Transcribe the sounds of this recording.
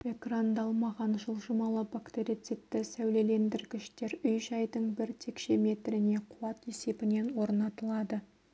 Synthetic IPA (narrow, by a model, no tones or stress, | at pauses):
e̞krand̪ɑlˠmɑʁɑnʒəlˠʒəmɑlˠəbakt̪eɾʲit̪set̪ːɪsæwle̞le̞nd̪ɪɾkʲɪʃt̪e̞ɾʏjʒɑjd̪əɴbɪɾt̪ʰe̞kʃeme̞t̪ɾɪne̞qʰʊwɑt̪je̞se̞bɪne̞nwo̞ɾnɑt̪əlˠɑd̪ə